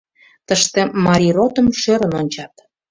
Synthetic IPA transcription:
t̪əʃt̪emɑɾʲiɾot̪əmʃøɾə̆nonʲt͡ɕɑt̪

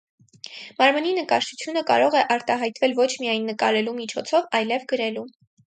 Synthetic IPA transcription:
mɑɾməninəkɑʃtut͡sʰjun̪əkɑ̰ɾɔʁɛʔɑɾt̪ɑɦɑjt̪vɛlvɔt͡ʃʰmijɑjnːəkɑɾɛlumit͡ʃʰɔt͡sʰɔvɑjlɛvɡəɾɛlu

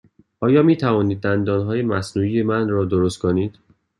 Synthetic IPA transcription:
ʔɒːjɒːmiːt̪ʰævɒːniːd̪̚ːænd̪ɒːnɦɒːje̞mæsnuːije̞mænrɒːd̪oɾost̪̚kʰo̞niːd̪̥

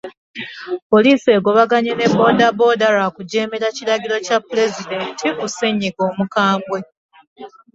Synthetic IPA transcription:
po̞liːse̞ːɡo̞βaɡaɲene̞bo̞ːdabo̞daɾakuɟe̞ːme̞ɾaciɾaɡiɾo̞capːule̞zide̞ntʰikoseɲːiɡo̞ːmukaːmbwe̞

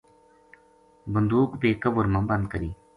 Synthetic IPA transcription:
bənd̪uːkbeːkɐbʊɾmɐ̃bɐnd̪̚kəɾiː

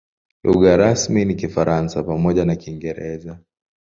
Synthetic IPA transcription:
luɡaɾasminikifaɾansapamɔʄanakiŋɡɛɾɛza

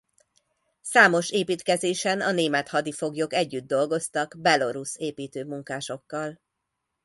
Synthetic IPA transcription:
saːmo̞ʃeːpiːt̪kɛzeːʃɛnɒneːmɛt̪hɒd̪ifo̞ɡjo̞kɛɟːyd̪ːo̞lɡo̞st̪ɒɡbɛlo̞ɾuseːpiːt̪øːmuŋkaːʃo̞kːɒl

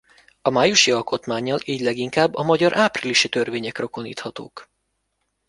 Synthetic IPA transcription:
ɒmaːjuʃiɒlko̞t̪maːɲːɒliːɟlɛɡiŋkaːbːɒmɒɟɒɾʔaːpriliʃit̪ø̞rveːɲɛkroko̞nḭːt̪hɒt̪o̰ːk

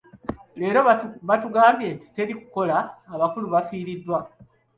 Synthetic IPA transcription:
le̞ːɾo̞βatuɡaːmbje̞ːnti̥te̞ɾiku̥ko̞laːβakuluβafiːɾidːwa

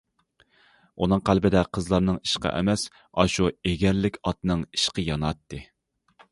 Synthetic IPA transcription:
unɨŋqʰælbɪd̪ɛqʰəzlˠɑɾnɨŋiʃqɑ̰ʔɛ̰mɛs | ɑʃueɡʲɛɾlɪkʲʰɑt̪nɨŋi̥ʃqəjɑnɑt̪ːɨ

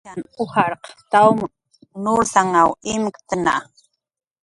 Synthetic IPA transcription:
anʊhaɾqt̪awm | nusaŋawɪmkt̪əna̰

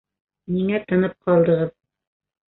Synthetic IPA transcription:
niŋæt̪ɤ̆nɤp̚qɑlˠd̪ɤ̆ʁɤð

